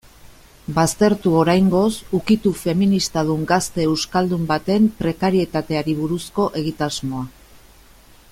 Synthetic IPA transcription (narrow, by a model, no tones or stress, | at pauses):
bast̪e̞ɾt̪uo̞ɾajŋɡo̞sukit̪ufe̞minist̪að̞uŋɡast̪e̞ːwskald̪umbat̪e̞mpɾe̞kaɾie̞t̪at̪e̞aɾiβuɾusko̞ʔe̞ɣ̞it̪azmo̞a